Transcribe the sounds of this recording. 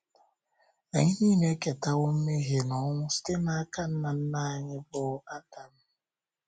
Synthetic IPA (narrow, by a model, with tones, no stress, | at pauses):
a˨ɲɪ˦niː˦me˦ke˨ta˦wo˦m̩˦me˦ɣe˨nɔ˨˦ŋʷʊ˦si̥˦te˦na˦a˦ka˦n̩˦na˨n̩˦na˦a˦ɲɪ˦bʊ˦a˦ta˨m̩˦